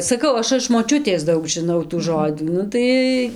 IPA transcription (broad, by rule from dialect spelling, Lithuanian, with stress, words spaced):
sɐˈkɐʊ ˈɐʃ ɪʃ moːˈt͡ʃʲʊtʲeːs ˈdɐʊk ʒʲɪˈnɐʊ tuː ˈʒoːd͡zuː ˈnʊ tɐɪ